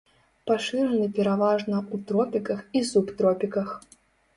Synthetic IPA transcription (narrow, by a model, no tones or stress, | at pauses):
paʂɨɾɐnɨpʲɛɾavaʐnɐut̪ɾɔpʲikɐxisupt̪ɾɔpʲikɐx